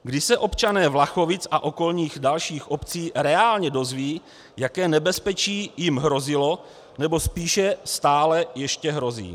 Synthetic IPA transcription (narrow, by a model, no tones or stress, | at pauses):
ɡdɪsɛʔo̞pt͡ʃanɛːvlaxo̞vɪt͡sʔaʔo̞ko̞lɲiːɣdalʃiːxʔo̞pt͡siːɾɛaːlɲɛdo̞zviː | jakɛːnɛbɛspɛt͡ʃiːjɪmɦɾo̞zɪlo̞ | nɛbo̞spiːʃɛst̪aːlɛjɛʃcɛɦɾo̞zḭː